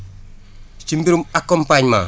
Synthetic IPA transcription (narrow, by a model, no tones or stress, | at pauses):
t͡ʃimbiɾumakːɔmpaɲma̰